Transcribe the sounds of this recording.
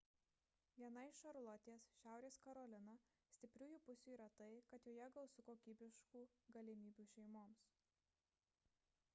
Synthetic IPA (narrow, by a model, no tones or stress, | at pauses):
ʋʲiɛnɐɪʃɐɾlˠɔt̪ʲeːsʃʲæˑʊɾʲeːskɐɾɔːlʲɪnɐ | sʲt̪ʲɪpʲɾʲuːjuːpʊsʲuːiːɾɐt̪ɐɪkɐt̪joːjɛɡɐlˠsʊkoːkʲiːbʲɪʃkuːɡɐlʲɪmʲiːbʲuːʃʲɛɪmoːms